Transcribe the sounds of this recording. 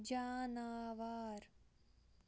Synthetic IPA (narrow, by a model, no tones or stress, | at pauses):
d͡ʒaːnaːʋaːɾ